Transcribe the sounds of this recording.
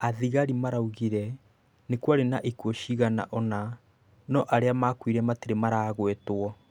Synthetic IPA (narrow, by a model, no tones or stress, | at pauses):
aðiɣaɾimaɾauɣiɾɛ | nekwaɾenaʔikuɔɕiɣana̰ʔɔna | nɔʔaɾeamakwiɾɛmatiɾemaɾaɣwetwɔ